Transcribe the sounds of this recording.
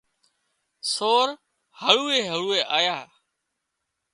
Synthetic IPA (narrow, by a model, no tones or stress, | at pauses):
soːɾ | həɭuːeːɦəɭuːeːʔaːjaː